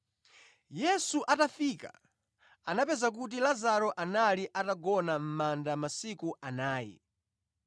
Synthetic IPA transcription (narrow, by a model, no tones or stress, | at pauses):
jɛsuʔatafiːka̰ | anapɛzak̬ut̬ilazaɾɔʔanaliʔataɡɔnam̩mandamasikuʔanaːjɛ̰